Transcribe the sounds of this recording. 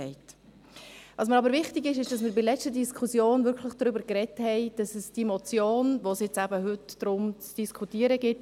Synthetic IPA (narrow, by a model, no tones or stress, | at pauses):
ɛɪt | ʋɑːs̬məɾɑbəɾʋɪχtɪɡɪʃɪʃd̥ɑsmɪɾbɪlɛt͡stədiskʰusjoːnvʏɾkʰləχd̥ɾʏbəɾkrɛthɛɪd̥ɑsəsd̥imɔt͡sjoːnʋosjɪt͡sæbəɦʏtd̥ɾʊmt͡sd̥iskʰutiːəɾəɡɪt